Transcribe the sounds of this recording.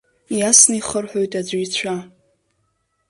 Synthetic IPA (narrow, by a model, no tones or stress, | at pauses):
iasnɨiχərħʷᶣojtʼad͡ʒʷiit͡ɕʷʰa